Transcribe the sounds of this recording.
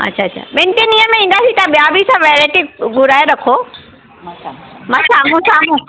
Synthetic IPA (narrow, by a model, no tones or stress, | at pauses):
ɐ̰tːɕʰaːtːt͡ɕʰa̰mẽɳʈenĩəmẽĩːn̆d̪asit̪ɐɓijabʱisãʋeːɾaːʈiɡʊɾaːeɾɐkʰo | mãsaːmũsaːmũ